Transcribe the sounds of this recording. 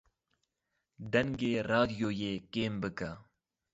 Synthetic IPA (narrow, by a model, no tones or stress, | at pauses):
d̪ɐŋɡeɾaːd̪joːjeːkeːmbəka